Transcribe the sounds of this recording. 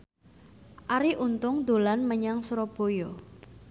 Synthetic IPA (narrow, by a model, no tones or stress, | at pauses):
ʔaɾiʔunt̪ʊŋd̪̥o̤lanməɲaŋsuɾob̥o̤jo